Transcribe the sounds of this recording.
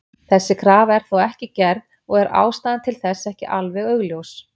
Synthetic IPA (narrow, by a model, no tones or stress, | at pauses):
θɛsːɪkʰɾaːvɛɾ̥θowɛhcɪcɛɾð | ɔɣɛɾa̰ːwst̪aːðɪnt̪ʰɪlθɛsːɛhcɪʔalvɛɣœɣljows